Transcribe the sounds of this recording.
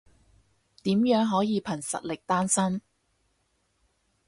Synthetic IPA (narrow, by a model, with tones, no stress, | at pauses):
t̪iː˨˥mjœː˨˥ŋɦɔː˨˥jiː˨˧pʰɐ˨˩nsɐ̰˨t̚lɪ˨k̚t̪aː˥nsɐ˥m